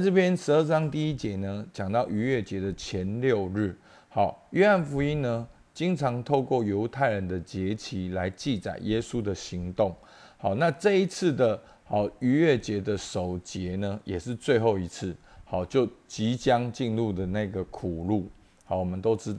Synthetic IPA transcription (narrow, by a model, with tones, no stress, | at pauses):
a˥˧ʈ͡ʂɤ˥˩pʰjɛ˥nʂɻ̩˧˦ə˥˩ʈ͡ʂɑ˥˦ŋt̪i˥˧i˦˥t͡ɕjɛ˧˥nə˧t͡ɕjɑ˨˩ŋt̪ɑ˥˩ʊʔy˧˥ɥɛ˥˩t͡ɕjɛ˧˥d̪ə˨t͡ɕʰjɛ˧˦˥nljo˥˧ʊɻ̩˥˩ | xɑ˨˩˦ʊɥɛ˥a˥˩nfu˧˥i˥nnə˧ | t͡ɕi˥ŋt͡sʰɑ˧˥ŋt̪ʰo˥˧ʊkwɔ˥˩jo˧˥ʊt̪ʰa˥˩ɪɻə˧˦nd̪ə˨t͡ɕjɛ˧˥t͡ɕʰi˧˥la˧˦˥ɪt͡ɕi˥˨˩t͡sa̰˨˩ɪjɛ˦su˦d̪ə˨ɕi˧˥ŋt̪o˥˨˩ŋ | hɑ˨˦ʊna˥˧ʈ͡ʂɤ˥˧i˦˥t͡s̩ʰ˥˩d̪ə˩ | hɑ˨˩ʊy˧˥ɥɛ˥˩t͡ɕjɛ˧˥d̪ə˨ʂo˨˩ʊt͡ɕjɛ˧˥nə˧jʔɛ˨˩ʂɻ̩˥˧t͡swe˥˧ɪxo˥˩ʊi˧˥t͡sʰɹ̩˥˩xɑ˨˩ʊt͡ɕjo˥˩ʊt͡ɕi˨˦t͡ɕjɑ˦ŋt͡ɕi˥˧nlu˥˩d̪ə˩na˥˩ɡə˩kʰu˨˩lu˥˩ | hɑ˨˩wɔ˨˩mə˨nt̪o˥ʊʈ͡ʂ̩˧˥t̪